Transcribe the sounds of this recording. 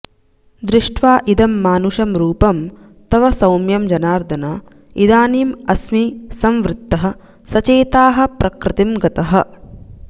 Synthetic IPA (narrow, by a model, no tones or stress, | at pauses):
d̪ɾɪʂʈʋaːʔid̪ɐmːaːnuʃɐmɾuːpɐm | t̪ɐʋɐsɐwmjɐmd͡ʒɐnaːɾd̪ʱɐna | id̪aːniːmɐsmisɐmʋɾɪt̪ːɐɦɐ̆ | sɐt͡ʃeːt̪aːɦɐ̆pɾʔɐkɾɪt̪imɡɐt̪ɐɦɐ̆